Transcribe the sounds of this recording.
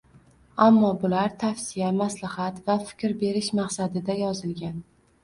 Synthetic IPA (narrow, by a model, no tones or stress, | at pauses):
amːɒbʊlaɾt̪ʰafsijamaslɪhat̪vafɪ̥kʲɾbe̞ɾɪʃmaqsad̪ɪd̪ajɒzɪlɡʲan